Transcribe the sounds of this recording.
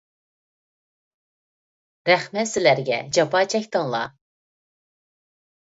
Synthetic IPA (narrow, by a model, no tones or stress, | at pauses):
ɾɛχmɛt̪sɪlæɾɡʲɛ̰d͡ʒɑpɑːt͡ʃʰɛkʲt̪ɨŋlˠɑ̰